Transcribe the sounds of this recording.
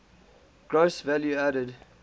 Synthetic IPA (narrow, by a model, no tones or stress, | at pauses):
ɡ̥ɹosvæljuæɾəd